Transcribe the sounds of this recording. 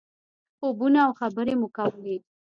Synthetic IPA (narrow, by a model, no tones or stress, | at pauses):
obunaːwxabəɾemʊkawəle